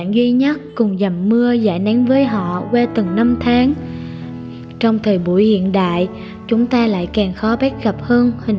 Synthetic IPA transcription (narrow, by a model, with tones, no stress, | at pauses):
ŋzwi˧ɲə˦˥t̚kʊ˨˩ŋ͡mza˨˩mːɨ˧əza̰ː˧˩jna˨˦ŋvəː˨˦jɦɔ̰˧˨ɣwɛ˧t̪ɨ˨˩ŋna˧mt̪ʰaː˨˦ŋ | t͡ɕɔ˧wŋ͡mt̪ʰəː˨˩jɓu˧˩əjhḭ˧˨ənɗa̰ː˧˨j | t͡ɕʊ˨˦ŋ͡mt̪aː˧la̰ː˧˨jkaː˨˩ŋxɔ˨˦ɓa˦˥t̚ɣə˨˩p̚həː˧nhï˨˩ŋ